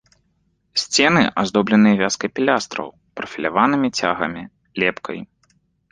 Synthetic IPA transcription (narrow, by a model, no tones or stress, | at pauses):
sʲt͡sʲɛnɨʔazd̪ɔblʲɐnɨjɐvʲaskɐjpʲilʲast̪ɾɐ̰w | pɾɐfʲilʲavanɨmʲit͡sʲaɣɐmʲi | lʲɛpkʰɐ̰j